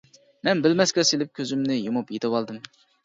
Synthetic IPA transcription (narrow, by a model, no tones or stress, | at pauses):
mɛnbɪlmɛskʲɛselɪp̚kʲʰøzymnɪjomupjet̪ʰɪwɑlˠd̪ɨm